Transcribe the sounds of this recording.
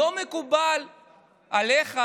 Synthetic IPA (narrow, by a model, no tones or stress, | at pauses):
omekubal | ʔaleχa